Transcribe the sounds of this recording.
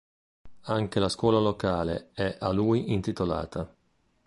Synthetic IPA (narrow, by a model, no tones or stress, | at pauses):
aŋkelaskwɔːlalokaːlḛɛʔaluːjint̪it̪ola̰ːt̪ʰa